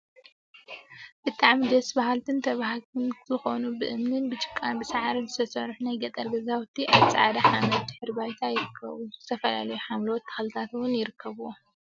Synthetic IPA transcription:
b̥ɨt̪ʼaʕmid̪ɐsbahalt̪ʰɨnt̪ʰɐβahalt̪ɨnzɨxo̞nubɨʔɨmnɨnbɨt͡ʃʼɨ̥kʼːanbɨsaʕaɾɨnzɨt̪ʰɐsɐɾħunajɡɐt̪ʼːɐɾɡɐzawt̪ʰːiʔaβt͡sʼɨʕad̪aħamɐd̪̚d̪ɨħɨɾbajt̪ʰajɪɾɨkʰːɐ̰βuzzɨt̪ʰɐfɐla̰lɐjuħamlo̞t̪ːɐ̥xlɨt̪ʰat̪wʊnjɪɾɨkʰːɐβu

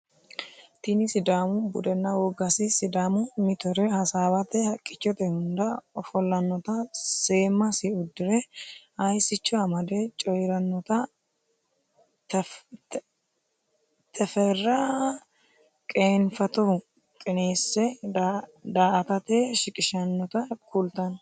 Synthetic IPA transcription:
t̪ɪnɪsɪd̪aːmʊbʊd̪ɛnːɐwɔɡɐsɪsɪd̪aːmʊmɪt̪ɔɾɛhɐsaːβɐt̪ɛhɐkʼːɪt͡ʃːɔt̪ɛhʊnd̪ɐɔfɔlːɐnːɔt̪ɐse̞ːmːɐsɪʊd̪ːɪɾɛhɐjsɪt͡ʃːɔɐmɐd̪ɛt͡ʃʼɔjɾɐnːɔt̪ɐ | t̪ | t̪ʰɛfɛrːɐ | kʼeːnfɐt̪ɔ | kʼɛneːsːɛdd̪aːʔɐt̪ɐt̪eʃɪkʼɪʃɐnːɔt̪ɐkʰult̪ɐn

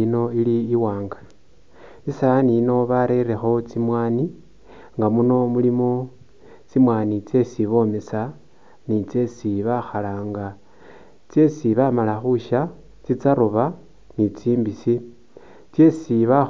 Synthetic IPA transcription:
no̞iliːwaːŋɡa | isanino̞βaɾe̞ɾe̞xo̞t͡simwaːni | ŋɡamuno̞mulimo | t͡simwaːnit͡se̞siβo̞ːmesa | nit͡se̞siβaxalaŋɡa | t͡se̞siβamalaxuʃa | t͡sit͡saɾoβa | nit͡siːmbisi | t͡se̞siβa

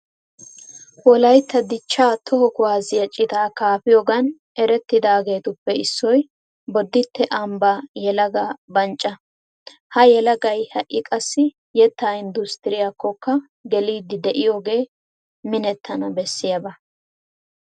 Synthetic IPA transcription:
wɔlɐjt̪ːɐd̪ɪt͡ʃːaːt̪ʰɔhɔkʊwaːzɪjɐt͡ʃʼːɪt̪aːkaːfɪjɔɡɐn | ɛɾɛt̪ːɪd̪aːɡe̞ːt̪ʊpːɛɪsːɔj | bɔd̪ːɪt̪ːɛʔɐmbajɛlɐɡɐbɐnt͡ʃʼːɐ | hɐjɛlɐɡɐjhɐʔɪkʼɐsːɪ | jɛt̪ːaːɪnd̪ʊst̪ɪɾɪjakːɔkːɐ | ɡɛliːd̪ɪd̪ɛʔɪjoːɡe̞ː | mɪnɛt̪ʰːɐnɐbɛsːɪjɐbɐ

